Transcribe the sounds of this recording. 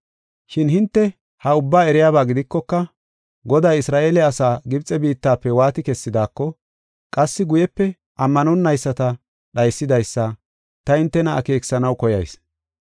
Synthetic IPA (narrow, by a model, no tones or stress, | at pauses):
ʃɪnhɪnt̪ːɛ | hɐʊbːaːɛɾɪjaːbaːɡɪd̪ɪkːɔkːɐ | ɡɔd̪aːjɪsɾaːʔeːlɛɐsaːɡɪbt͡sʼɛbiːt̪ːaːpːɛwaːt̪ɪkɛsːɪd̪aːkːɔ | kʼɐsːɪɡʊjɛpːɛ | ʔɐmːɐnɔnːɐjsːɐt̪ɐ | ɗɐjsːɪd̪ɐjsːɐ | t̪ɐhɪnt̪ːɛnɐɐ̰ke̞ːksɐnɐwkɔjɐ̰js